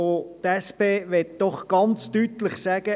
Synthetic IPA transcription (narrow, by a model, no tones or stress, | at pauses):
ot̪ɛspeːʋɛt̚d̥ɔχɡ̥ɑnt͡stytlɪχsæɡ̥ə